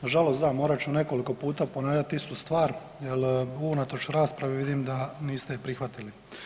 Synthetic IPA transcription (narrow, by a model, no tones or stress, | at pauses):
ʒalosd̪amo̞ːɾat͡ɕune̞koliko̞puːt̪aːponaːʋlʎat̪ist̪ust̪ʋaːɾ | jeluunat̪o̞t͡ʃɾaːspɾaʋeʋid̪imd̪aniːst̪epɾixʋat̪ili